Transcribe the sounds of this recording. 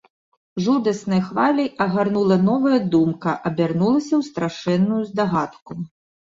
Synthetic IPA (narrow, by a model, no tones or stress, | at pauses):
ʐud̪ɐsnɐjxvalʲɐjɐɣarnulˠɐnɔvɐjɐd̪umkɐʔɐbʲarnulˠɐsʲɐwst̪ɾaʂɛnːujuzd̪aɣat̪ku